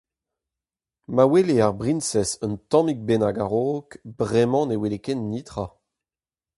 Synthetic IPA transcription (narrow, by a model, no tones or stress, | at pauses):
maweleaʁbʁinsɛsənt̪ɑ̃mik̚benaɡaʁoːkbʁɛmɑ̃newelekɛnːiːt̪ʁa